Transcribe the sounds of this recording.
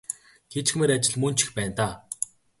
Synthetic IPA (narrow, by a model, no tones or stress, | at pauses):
ɡet͡ɕxmeːɾat͡ɕɪ̆ɮmɵnt͡ɕɪ̆xpæːnt̪aː